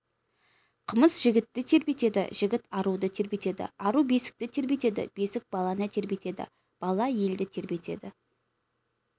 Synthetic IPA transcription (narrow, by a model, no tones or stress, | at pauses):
qʰəməsʒɪɡʲɪt̪ːɪt̪ʰe̞ɾbe̞t̪e̞d̪ɪ̰ʒ̥ɪɡʲɪt̪ɑɾud̪ət̪ʰe̞ɾbe̞t̪e̞d̪ɪ̰ɑɾube̞sɪ̥k̚t̪ɪt̪ʰe̞ɾbe̞t̪e̞d̪ɪ̰b̥e̞sɪk̚bɑlˠɑnət̪ʰe̞ɾbe̞t̪e̞d̪ɪ̰ | b̥ɑlˠɑje̞ld̪ɪt̪ʰe̞ɾbe̞t̪e̞̰d̪ɪ